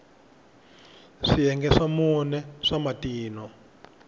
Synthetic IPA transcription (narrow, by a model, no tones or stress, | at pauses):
ʂijɛŋɡɛʂamunɛʂamatiːnɔ